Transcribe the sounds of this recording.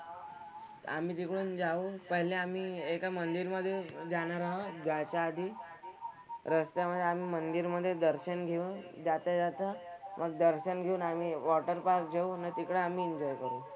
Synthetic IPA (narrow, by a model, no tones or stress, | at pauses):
amiːt̪ikɽuːnd͡zaupəɦileamiːekamənd̪iɾməd̪ʱːjed͡ʑaɽ̃aɾaɦəd͡ʑjat͡ɕjaːd̪ʱi | ɾəst̪jaməd̪ʱːjeam̤iːmənd̪iɾməd̪ʱːjed̪əɾɕənɡʱeuːnd͡ʑat̪ad͡zat̪amʔəɡ̚d̪əɾɕənɡʱeuːnamiʋɔʈəɾpaɾk̚d͡ʑʱeunat̪ikɽeamiːɲd͡ʑɔjkəɾuː